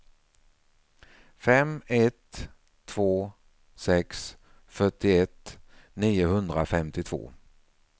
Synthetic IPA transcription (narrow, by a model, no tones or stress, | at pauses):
fɛmɛt̪ʰː | v̥oː | sɛks | fœʈːɪɛt̪niːʊhɵnd̪ɾafɛmt̪ɪt̪ʰvo̰ː